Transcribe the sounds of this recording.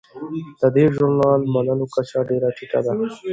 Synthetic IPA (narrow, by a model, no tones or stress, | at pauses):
t̪əd̪eʒʊɾnɑːlmɐnəlokat͡ɕaɖeɾaʈʰiʈa̰d̪a